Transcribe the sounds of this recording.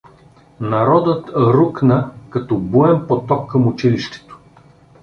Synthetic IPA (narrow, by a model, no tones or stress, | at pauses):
nɐɾɔd̪ət̪ɾuknəkɐt̪ɔbuɛmpot̪ɔkːɐmʊt͡ʃiliʃt̪ɛ̥t̪o̥